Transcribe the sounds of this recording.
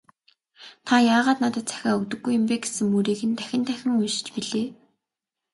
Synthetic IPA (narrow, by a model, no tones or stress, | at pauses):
t̪ʰajaːʁaːt̪nat̪ə̆t̪t͡sæ̥xʲaːɵkt̪ɵ̆ɡːujʊ̆mpeːɡe̥sɘ̆ŋmuɾiːɣɘ̆nt̪æxʲɪ̆nt̪ʰæxʲɪ̆ŋujʃɪ̥̆t͡ɕpiɮeː